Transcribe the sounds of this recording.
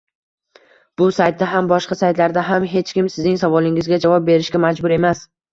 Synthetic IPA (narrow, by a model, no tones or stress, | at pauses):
b̥ʊsajt̪̚ːaɦambɒʃqɑsajt̪laɾd̪aɦamɦe̞t͡ʃkʲɪmsɪznɪŋsavɒlˠɪŋɪzɡʲad͡ʒavɒp̚be̞ɾɪʃkʲamad͡ʒbʊɾe̞mas